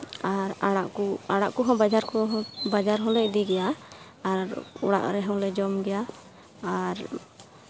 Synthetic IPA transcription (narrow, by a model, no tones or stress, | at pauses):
aɾaɽaʔkuaɽaʔkɔɦɔ̃bad͡ʒaɾkɔɦɔ̃bad͡ʒaɾɦɔ̃lɛc̚d̪iɡɛja | aɾṵɽa̰ʔɾɛɦɔ̃lɛd͡ʒɔmɡɛjaː | ɾ